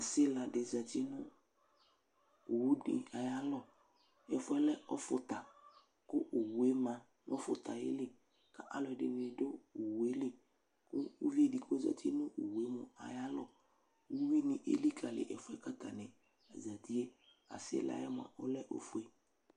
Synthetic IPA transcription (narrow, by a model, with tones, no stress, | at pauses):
a˨sɪ˦la˨dɪ˨za˨t̪i˦nʊ̃˦ | u˨wu˦dɪ̰˨a˨ja˦lɔ˦ | ɛ˨fʊ˦ɛ˦lɛ˦ɔ˦fʊ˨t̪a˨ | kʊ˦ʔu˨wu˨e˦mã˨ | nɔ̃˦fʊ̰˨t̪a˨jḛ˦lɪ˦ | ka˦ʔa˦lɔ˨ɛ˨dɪ˨nɪ˨˦do˦u˨wu˨e˦lɪ˨ | kʊ˦u˦vi˦e˦˨di˨kʊ˦za̰˨t̪ʰi˦nʊ̃˦ʔu˨wu˨e˦mʊ˨a̰˨ja˦lɔ˦˨ | wu˦wi˦nɪ̃˨ʔḛ˦li˦ka˨lɪ̰˨ʔɛ̰˨fʊ˦ɛ˦ka˦t̪a˨nɪ̃˨ | a˨za˨t̪i˦e˦ | a̰˨sɪ̰˦la̰˨˦jɛ˦m˨ã̰˨ʔɔ˦lɛ˦ʔo̰˨fu˦e˦